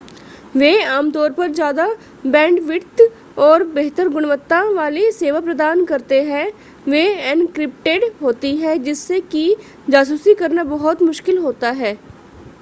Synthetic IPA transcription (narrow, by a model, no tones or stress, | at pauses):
ʋeːaːmt̪ɔːɾpəɾd͡ʒjaːd̪a | bɛ̃ːɳɖʋɪɾt̪ | ɔːɾbeɦt̪əɾɡʊɽʋət̪ːãʋaːleseːʋaːpɾəd̪aːnkɐɾt̪eɦɛ̃ | ʋeːɛnkɾɪp̚ʈeːɖɦoːt̪iɦɛd͡ʒɪsːeki | d͡ʒaːsuːsikɐɾnabɐɦʊt̪mʊʃkɪlɦoːt̪aɦɛː